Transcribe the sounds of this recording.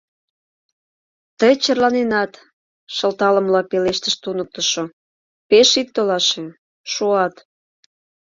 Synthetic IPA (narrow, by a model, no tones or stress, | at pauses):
t̪əjt͡ɕərlɑnenɑt̪ | ʃə̆lt̪ɑlə̆mlɑpeleʃt̪əʃt̪unək̚t̪əʃo | peʃit̪̚t̪ːolɑʃe | ʃuɑt̪